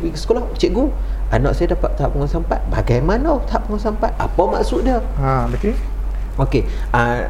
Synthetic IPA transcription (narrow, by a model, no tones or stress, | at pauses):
wiskolaht͡ʃiʔ̪̚ɡu | anɔ̰ʔsajədapaʔt̪aɦap̚uŋɔnsampat̪̚ba̰ɡajmanawt̪aɦap̚pəŋɔnsampat̪̚ʔa̰pawma̰ʔsut̪̚diə | abeke | oke | a